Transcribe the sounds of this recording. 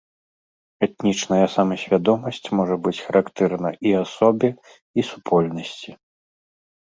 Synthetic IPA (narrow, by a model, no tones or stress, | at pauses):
ɛt̪̚nʲit͡ʂnɐjɐsamɐsʲvʲad̪ɔmɐsʲt͡sʲmɔʐɐbɨt͡sʲxɐɾʔakt̪ɛrnɐʔiasɔbʲi | isupʰɔlʲnɐsʲt͡sʲi